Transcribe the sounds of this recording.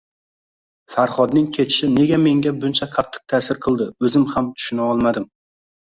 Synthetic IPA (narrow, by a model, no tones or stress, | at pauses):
faɾχɒd̪̚nɪŋkʲʰe̞t͡ʃʰɪ̥ʃɪne̞ɡʲame̞ŋɡʲabʊnt͡ʃʰaqʰɑt̪ʰːɨ̥q̚t̪ʰasɪɾqʰɨlˠd̪ɪɵzɪmhamt̪ʰʊ̥ʃʊnaɒlˠmad̪ɪm